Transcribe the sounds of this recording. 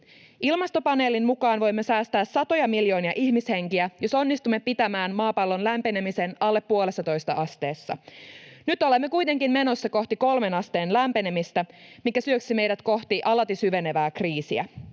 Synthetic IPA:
ilmɑst̪o̞pɑne̞ːlinmukɑːnʋo̞jmːesæːst̪æːsːɑt̪o̞jɑmiljo̞ːniɑʔiçmishe̞ŋkiæjo̞so̞nːist̪umːepit̪æmæːnmɑːpɑlːo̞nlæmpenemise̞nɑlːe̞pːuole̞sːɑt̪o̞jst̪ɑʔɑst̪e̞ːsːɑ̰nyt̪o̞lemːe̞kujt̪e̞ŋkinme̞no̞sːɑko̞ht̪iko̞lme̞nɑst̪e̞ːnlæmpene̞mist̪æmikæsyøksime̞jdæt̪ko̞ht̪iʔɑlɑt̪isyʋe̞ne̞ʋæːkriːsiæ̰

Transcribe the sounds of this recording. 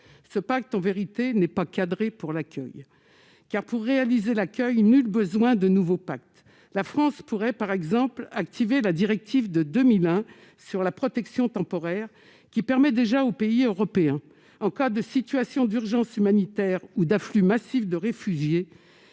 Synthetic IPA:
səpak̚t̪ɑ̃veʁit̪enɛpakad̪ʁepuʁlakʲœ̰j | kaʁpuʁːealizelakʲœjnylbəzwɛ̃d̪ənuvopak̚t̪ | lafχɑ̃spuʁɛpaʁɛɡzɑ̃plakt̪ʰivelad̪iʁɛk̚t̪ʰivd̪əd̪əmilɛ̃ | syʁlapχɔt̪ɛksjɔ̃t̪ɑ̃pɔʁɛʁ | kʲipɛʁmɛd̪eʒaopeiøʁɔpeɛ̃ | ɑ̃kad̪əsit̪ɥasjɔ̃d̪yʁʒɑ̃symanit̪ɛʁud̪aflymasifd̪əʁefyʒje

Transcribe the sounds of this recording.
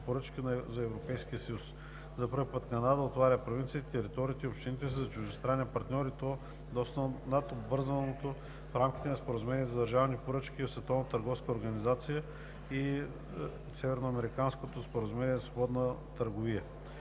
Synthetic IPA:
poɾət͡ʃkinzɐɛvɾopɛjskʲiəsəjus | zɐpəɾvipət̪kɐnad̪əot̪vaɾʲəpɾovint̪siət̪it̪ɛɾit̪ɔɾiːt̪ɛiopʃt̪init̪ɛsizɐt͡ʃʊʒist̪ɾanːiɐpɐɾt̪nʲɔɾit̪o | d̪ɔst̪ənɐt̪obvɤɾzənot̪o | fɾamkʲi̥t̪ɛnɐspoɾəzumɛnʲiɛzɐd̪ɐɾʒavnipoɾɤt͡ʃkʲisvɛt̪ɔvnt̪əɾɡɔfskəoɾɡɐnizat̪sijə | i | sɛvɛɾnoɐmɛɾikanskot̪ospoɾəzumɛniɛzɐsvobɔd̪nət̪əɾɡʊvijə

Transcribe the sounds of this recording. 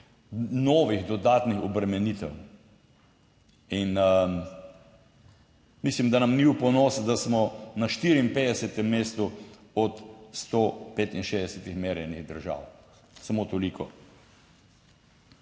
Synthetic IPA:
noːʋiɣd̪ɔd̪aːt̪nixɔbɾɛmɛnit̪ɛ̰w | in | mislimd̪anamniwpɔnosd̪asmɔnaʃt̪iɾiimpeːd̪ɛsɛt̪ɛmːeːst̪uɔt̪st̪opet̪inʃeːd̪ɛsɛt̪ixmeːɾjɛniɣd̪əɾʒa̰ːw | sɐmot̪ɔlikʰɔ

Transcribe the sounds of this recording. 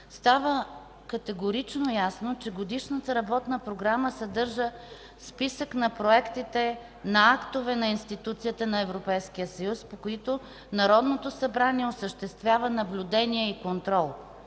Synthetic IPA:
st̪avə | kɐt̪ɛɡoɾit͡ʃnojasnot͡ʃɛɡod̪iʃnət̪əɾɐbɔt̪nəpɾoɡɾaməsɐd̪ɤɾʒə | spisəknɐpɾoɛkt̪it̪ɛ | nɐakt̪ovɛnɐinst̪it̪ut̪sijət̪ənɐɛvɾopɛjskijəsɐjuspokoit̪o | nɐɾɔd̪not̪osɐbɾaniɛosəʃt̪ɛst̪vʲjavənɐblʲud̪ɛniɛikont̪ɾɔlˠ

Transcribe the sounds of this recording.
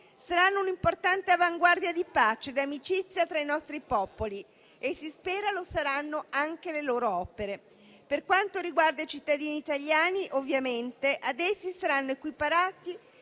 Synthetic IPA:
saɾanːounimport̪ant̪eavaŋɡward̪jad̪ipat͡ʃed̪amit͡ʃit̪sːjat̪ɾainɔst̪ɾipɔpoli | esːispɛːɾalosaɾanːoaŋk̟eleloːɾoɔpeɾe | perkwant̪oɾiɡward̪ait͡ʃit̪ːad̪iːniːt̪aʎːjaːniʔovːjament̪eʔad̪ɛsːisaɾanːoekwipaɾaːt̪i

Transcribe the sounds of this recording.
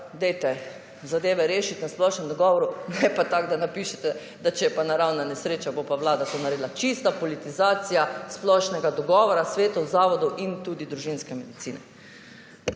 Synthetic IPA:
d̪ɛjt̪ɛ | zad̪eːʋɛɾeːʃit̪nasplɔʃnɛmd̪ɔɡɔːʋɔɾunɛpat̪aɡd̪anapiːʃɛt̪ɛ | d̪at͡ʃɛjɛpanaɾawnanɛsɾeːt͡ʃabopawlaːd̪at̪onaɾeːd̪lat͡ʃist̪apɔlit̪izaːt̪sijasplɔʃnɛɡad̪ɔɡɔːʋɔɾasʋeːt̪ɔwzaːʋɔd̪ɔʔint̪uːd̪id̪ɾuʒinskɛmɛd̪it̪siːnɛ̰

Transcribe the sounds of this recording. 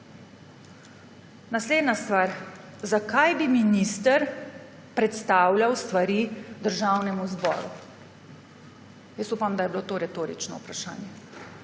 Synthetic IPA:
nasleːd̪nast̪ʋaːɾ | zakʰajbiminist̪əɾ | pɾɛt̪st̪aːwljawst̪ʋaɾid̪əɾʒaːwnɛmuzbɔ̰ːɾṵ | jəsuːpamd̪ajɛbilot̪oːɾɛt̪oːɾit͡ʃnɔ̰upɾaʃa̰ːnjɛ

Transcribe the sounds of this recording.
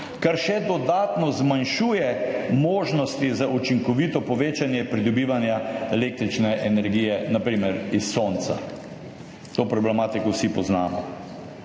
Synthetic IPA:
kaɾʃɛd̪ɔd̪aːt̪nɔzmanʃuːjɛmoːʒnɔst̪izaʔut͡ʃiŋkɔʋit̪ɔpɔʋeːt͡ʃanjɛpɾid̪ɔbiːʋanjaɛleːk̚t̪ɾit͡ʃnɛʔɛnɛɾɡiːjɛnapɾiːmɛɾisːont̪sa̰ | t̪oːpɾɔblɛmaːt̪ikɔwsipɔznaːmɔ

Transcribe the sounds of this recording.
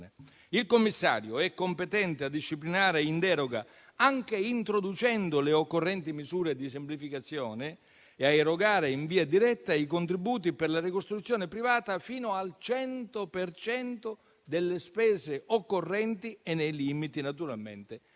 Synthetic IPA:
ne | ilkomːisːa̰ːɾjoɛkːompet̪ɛnt̪ead̪ːiʃːiplinaːɾeind̪ɛːɾoɡa̰ | aŋk̟eint̪ɾod̪ut͡ʃɛnd̪ʊleokːorːɛnt̪imizuːɾed̪is̬emplifikat̪sːjɔːnɪː | aeɾoɡaːɾeiɱviːad̪iɾɛt̪ːaikont̪ɾibuːt̪̬ipɪrlarikost̪ɾut̪sːjɔːnɪpɾivaːt̪afiːnʊalt͡ʃɛnt̪opert͡ʃɛnt̪o | d̪elːespɛːzeʔokːorːɛnt̪ienːɛjlimit̪inat̪uɾalmḛnt̪ɪ

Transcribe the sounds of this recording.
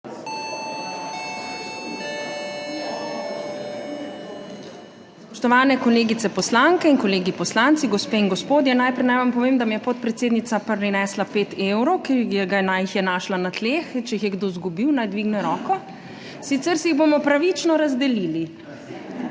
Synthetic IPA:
sppɔʃt̪ɔʋaːnɛkɔleːɡit̪sɛpɔslaŋkɛinkɔleːɡipɔslant̪siɡɔspeːinɡɔspoːd̪jɛnajpɾɛjnajʋampɔʋeːmd̪amijɛpɔt̪̚pɾɛt̪seːd̪nit̪sapɾinɛslapeːt̪ewɾɔwkiɛɡanajixjɛnaːʃlanat̪leːxt͡ʃɛjixjɛɡd̪ozɡubiwnajd̪ʋiːɡnɛɾɔːkɔ | sit̪sɛɾsɛjiɣbomɔpɾaʋit͡ʃnɔɾazd̪ɛliːli

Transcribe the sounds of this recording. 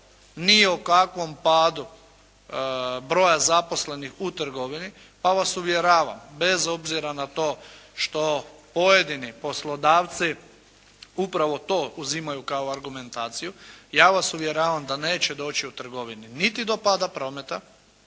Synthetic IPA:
niokakʋo̞mpaːd̪u | bɾo̞ːjazapo̞sle̞nixut̪r̩ɡo̞ʋini | paʋasuʋjeɾaːʋa̰mbe̞zo̞bziɾanat̪o̞ːʃt̪o̞po̞jed̪inipo̞slˠo̞d̪aːʋt̪si | upɾaʋo̞t̪o̞ːuzimajukaoaɾɡume̞nt̪aːt̪sijujaːʋasuʋjeɾaːʋamd̪ane̞ːt͡ɕed̪o̞ːt͡ɕiut̪r̩ɡo̞ʋininit̪id̪o̞pad̪apɾo̞ːmet̪a

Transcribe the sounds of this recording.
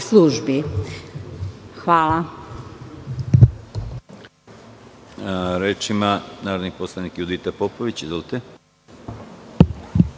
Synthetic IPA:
sluʒbi | xʋaːla | ɾeːt͡ʃimanaːɾoniposlˠanikjud̪it̪apopoʋit͡ɕizʋolˠit̪e

